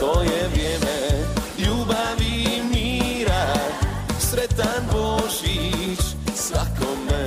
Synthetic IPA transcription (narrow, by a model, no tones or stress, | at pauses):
ojɛʋɾjɛːmɛ | jubaʋimiɾa | sɾɛt̪anboʒit͡ʃ | sʋakom